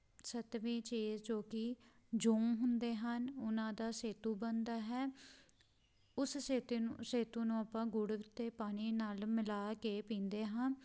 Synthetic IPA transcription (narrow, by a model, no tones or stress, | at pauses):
sət̪ʋiːt͡ʃeːzt͡ʃoːkiː | d͡ʒõːŋɦʊnd̪eːɦənʊnãːd̪aːseːt̪uːbənd̪aːɦɛː | ʊsseːt̪ːseːt̪uːnũːəpãːɡʊɽt̪eːpaːniːnaːlmɪlaːkeːpĩːnd̪eːɦaː